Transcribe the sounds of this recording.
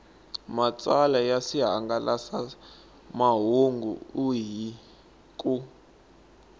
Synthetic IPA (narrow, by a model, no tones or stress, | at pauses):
mat͡sʼalajasiɦaŋɡalasa | maɦuŋɡṵuɦi | kʼu